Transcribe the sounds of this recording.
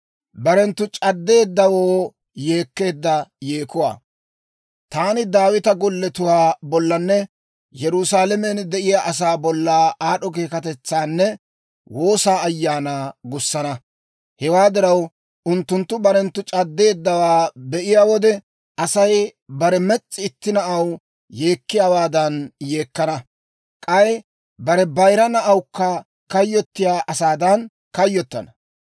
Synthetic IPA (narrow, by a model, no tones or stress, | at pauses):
bɐɾɛnt̪ːʊt͡ʃʼɐd̪ːe̞ːd̪ːɐwoː | je̞ːkːe̞ːd̪ːɐjeːkʊwa̰ː | t̪aːnɪd̪aːwɪt̪ɐɡɔlːɛt̪ʊwaːbɔlːɐnːɛ | jɛɾʊsaːlɛmɛnd̪ɛʔɪjaʔɐs̬aːbɔlːaːaːɗɔk̬eːkɐt̪ɛt͡sːaːnːɛ | wo̞ːsaːjːaːnaːɡʊsːɐnɐ | hɛwaːd̪ɪɾɐw | ʊnt̪ːʊnt̪ːʊbɐɾɛnt̪ːʊt͡ʃʼɐd̪ːe̞ːd̪ːɐwaːbɛʔɪjaːwɔd̪ɛ | ʔɐsɐjbɐɾɛmɛt͡sʼːɪɪt̪ːɪnɐʔɐw | je̞ːkːɪjaːwaːd̪ɐnje̞ːkːɐnɐ | kʼɐj | bɐɾɛbɐjɾɐnɐʔɐwkːɐ | kɐjːɔt̪ːɪjaːʔɐsaːd̪ɐn | kɐjːɔt̪ːɐnɐ